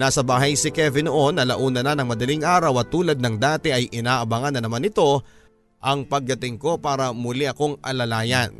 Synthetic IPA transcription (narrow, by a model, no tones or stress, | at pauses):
naːsɐbaːɦɐjsɪkɛvɪno̞ʔo̞nːɐlɐʔuːnɐnɐnɐŋmɐd̪ɐliŋʔaːɾɐwɐt̪uːlɐd̪̚nɐŋd̪aːt̪ɛʔɐjʔɪnaːʔɐbɐŋɐnːɐnɐmanɪt̪o̞ | ʔɐŋpɐɡ̚d̪ɐt̪ɪŋko̞paːɾɐmʊliʔɐko̞ŋʔɐ̰lɐlaːjɐn